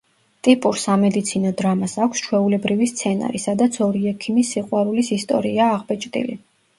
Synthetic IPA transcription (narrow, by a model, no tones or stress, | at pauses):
t̪ʼipʼuɾsamɛd̪it̪sʰinɔd̪ɾamasakʰʷst͡ʃʰwɛulɛbɾivist̪sʰɛna̰ɾisad̪at̪sʰɔɾiɛkʰimisːiqʼwaɾulisist̪ʼɔ̰ɾiaːʁbɛt͡ʃʼt̪ʼḭli